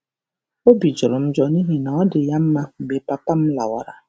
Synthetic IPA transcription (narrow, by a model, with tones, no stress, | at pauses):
o˦bi˨d͡ʒʊ˨ɾʊ˨m̩˦d͡ʒɔ˦ni˦ɦi˦na˨ɔ˦dɪ˨ja˦m̩˦ma˦˨ɡ͡be˨pa˨pa˦m̩˦la̰˨wa̰˨ɾa̰˨